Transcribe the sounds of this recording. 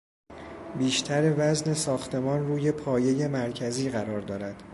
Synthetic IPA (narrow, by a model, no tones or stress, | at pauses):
biːʃt̪ʰæɾevæzne̞sɒːxt̪ʰe̞mɒːnruːje̞pʰɒːje̞je̞mæɾcʰæziːɣæɾɒːɾd̪ɒːɾæd̪̥